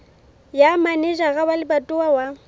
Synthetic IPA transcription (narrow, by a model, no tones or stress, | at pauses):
jamanɛʒaɣabalɪbatʼʊawa